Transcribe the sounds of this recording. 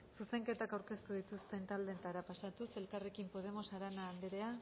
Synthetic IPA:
suse̞ŋke̞t̪akawɾke̞st̪uð̞it̪ust̪e̞nt̪ald̪e̞t̪aɾapasat̪use̞lkare̞kimpo̞ð̞e̞mo̞saɾanaːnd̪eɾe̞a

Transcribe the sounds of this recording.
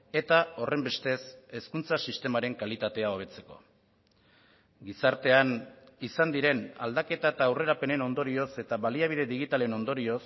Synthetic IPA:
e̞t̪ao̞re̞mbe̞st̪e̞se̞skunt͡sasist̪e̞maɾe̞ŋkalit̪at̪e̞ao̞β̞e̞t͡se̞ko̞̰ | ɡisaɾt̪e̞an | isand̪iɾe̞na̰ld̪ake̞t̪aet̪aːwre̞ɾape̞ne̞no̞nd̪o̞ɾio̞se̞t̪aβaliaβ̞iðe̞ðiɣit̪aleno̞nd̪o̞ɾio̞s

